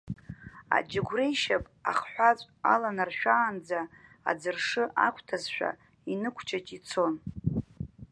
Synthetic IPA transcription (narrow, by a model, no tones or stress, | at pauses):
a̰d͡ʒɪɡʷrejʃapʼa̰χħʷᶣat͡sʷʼa̰lanarʃᶣaːnd͡za̰ː | d͡zɨrʂɨʔa̰kʷʰtʰazʃʷᶣa̰ | inɨkʷʰt͡ʃʰʼat͡ʃʼit͡sʰo̞n